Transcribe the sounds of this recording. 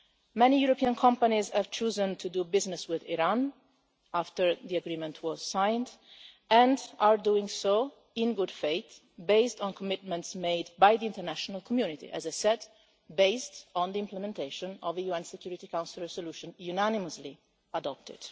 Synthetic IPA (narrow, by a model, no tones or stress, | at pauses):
mɛnijuɾɔpiãnkʰɔ̃mpanizɛv̥t͡ʃuːzə̃nt̪ʰudubɪznɪswɪðiɹãn | aft̪əɹðiaɡɾĩmɛ̃ntʰwɔz̥sãɪ̃nd | ɛ̃ndʔaɹduɪ̃ŋso | ɪ̃nɡʊdfeɪt̪ | beɪstɔ̃nkʰɔmɪt̪̚mɛ̃ntsmeɪdbajðiɪ̃ntəɹnæʃɔnalkʰɔmjunɪt̪ḭʔɛ̰zajsɛd | beɪstɔ̃nd̪iɪ̃mplɛmɛ̃nt̪eɪʃɔ̃nɔvəjuɛ̃nsɛkjuːɹit̪ikãw̃nsɪlˠɹɛsɔluʃɔ̃njunænɪməsli | adɔp̚t̪ɪ̰d̪̥